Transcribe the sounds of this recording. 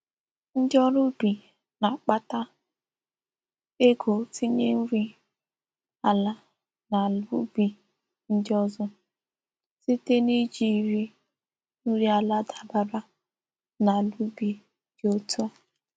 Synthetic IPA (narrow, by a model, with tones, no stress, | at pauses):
n̩˦dɔ˦ɾʊ˦bi˨ | na˨k͡pa˦ta˦ | e˦ɡo˨ti˦ɲe˦n̩˦ɾi˦ | a˨la˦ | na˨lṵ˦bi˨ | n̩˦dɪ˦ɔ˦zɔ˦ | si˦te˦ni˦d͡ʒi˨ɾi˦ | nu˦ɾi˦a˨la˦da˨ba˨ɾa˦ | na˨lu˦bi˨ | d͡ʒo˦tɔ˦